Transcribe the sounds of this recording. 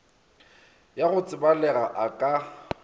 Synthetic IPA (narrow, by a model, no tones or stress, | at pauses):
jaɣʊt͡sʼɪbalɛɣaʔakʼa